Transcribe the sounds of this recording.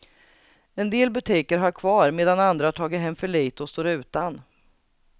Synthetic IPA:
ɛnd̪eːlbɵt̪ʰiːkəɾɦaɾkʰvɑːɾmeːd̪anand̪ɾat̪ʰɑːɡəɦɛmːfœɭiːt̪ɔst̪oːɾʉ̟ːt̪an

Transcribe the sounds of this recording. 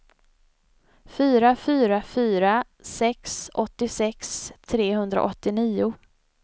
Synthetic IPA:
fyːɾafyːɾafyːɾa | sɛksʔɔt̪ːɪsɛkst̪ʰɾeːɦɵnd̪ɾa̰ʔɔt̪ːɪniːʊ

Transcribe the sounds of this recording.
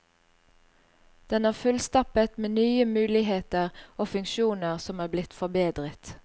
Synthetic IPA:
d̪̥ɛnæːʁfʉlst̪ɑpət̪meːnyːəmʉːlɪheːt̪əʁoːfʉŋkʃuːnəʁsɔmæːblɪt̪fɔbeːd̪ʁət̪

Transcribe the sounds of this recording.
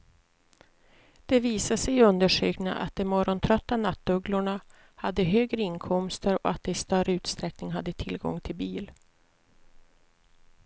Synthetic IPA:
d̪̥ɛviːsasɛjɵnd̪əʂø̰ːkna̰ʔa̰t̪̚d̪ɛmːɔɾɔnt̪ʰɾœt̪ːanat̪ːɵɡlʊɳa | had̪ːəɦøːɡɾəɪnkʰɔmst̪əɾɔ̰at̪̚d̪ɛɪst̪œɾəʉ̟ːt̪st̪ɾɛknɪŋɦad̪ːət̪ʰɪlɡɔ̰ŋt̪ʰɪlbiːl

